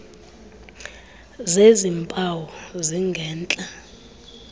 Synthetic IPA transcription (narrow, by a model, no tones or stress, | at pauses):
zezimpʼawɔziŋɡʱɛːnt͡ɬʼa